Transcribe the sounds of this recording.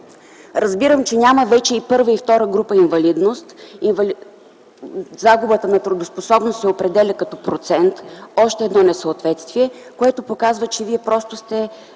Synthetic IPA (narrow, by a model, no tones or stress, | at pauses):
ɾɐzbiɾəmt͡ʃɛnʲaməvɛt͡ʃɛipɤɾvəift̪ɔɾəɡɾupəinvɐlid̪nost̪invl | zaɡʊbət̪ənɐt̪ɾʊd̪osposɔbnost̪sɛopɾɛd̪ɛlʲɐkɐt̪ɔpɾot̪sɛnt̪ɔʃt̪ɛːd̪nɔnɛsəot̪vɛt̪st̪viɛkoɛt̪ʊpokazvət͡ʃɛviɛpɾɔst̪ʊst̪ɛ